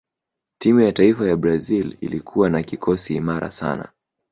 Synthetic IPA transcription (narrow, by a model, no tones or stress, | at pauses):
timujataifajabɾazilḭlikʰuwanakikʰɔsiːmaɾa̰sa̰na̰